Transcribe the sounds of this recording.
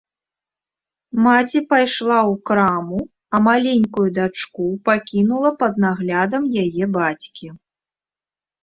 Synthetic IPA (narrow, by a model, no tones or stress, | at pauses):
mat͡sʲipajʂlˠawkɾamu | ɐmalʲenʲkujud̪at͡ʂkupakʲinulˠɐpɐd̪naɣlʲad̪ɐmjajɛbat͡sʲkʲi